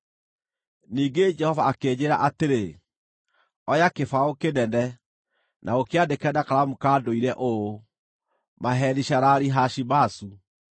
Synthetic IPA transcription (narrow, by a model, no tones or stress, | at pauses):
niːɡed͡ʒɛhɔvaːkeːɲeɾa̰ʔateɾe | ɔjakefaokenɛndɛ | nʔaokeadekɛdakaɾamukaːdoiɾɛʔo | maɦɛðiʃaɾaɾiɦaʃibasu